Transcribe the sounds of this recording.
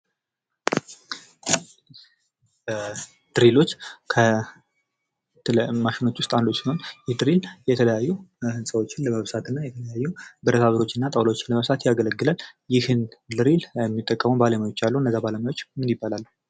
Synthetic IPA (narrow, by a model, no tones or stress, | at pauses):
ə | d̪̥ɨɾilo̞t͡ʃːkʰə | t̪maʃɪno̞t͡ʃːwʊst̪ʼando̞t͡ʃːsɪnho̞njɛd̪ɨɾiljɛt̪ʰələjajːuhɨnsʼəwo̞t͡ʃːɪnləməβsat̪ɨnːajɛt̪ʰələjajːubɨɾət̪ʰaβəɾo̞t͡ʃːɨnːat̪ʼəwlowot͡ʃːɪnləməβsat̪jaɡələɡːɨlaljɪhɨnlɨɾilɛmːit̪ʼːəkʼːəməbaləmajo̞t͡ʃːalːuhɨnːəzːabaləmajo̞t͡ʃːmɨnjɪbːalalːu